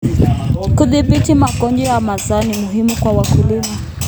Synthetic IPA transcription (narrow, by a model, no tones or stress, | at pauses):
kuðiɓitimaɡɔnd͡ʒɔjamazanimuɦimukwawakulima